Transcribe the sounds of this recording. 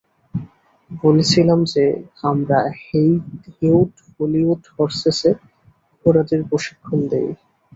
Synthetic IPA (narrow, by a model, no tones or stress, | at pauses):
bolet͡ɕʰilamd͡ʑeamɾahejhewʈ | voliuʈfɔɾsese | opoɾad͡ʑeɾpɾoʃi̥kʰːond̪ḛj